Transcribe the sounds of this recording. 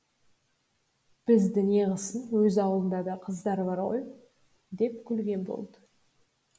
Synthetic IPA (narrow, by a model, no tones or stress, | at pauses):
b̥ɪzd̪ɪneʁəsənwɵzɑwəlˠənd̪ɑd̪ɑqʰəzd̪ɑɾbɑɾʁo̞j | d̪e̞p̚kʲʰʏlɡʲe̞nbo̞̰lˠd̪ə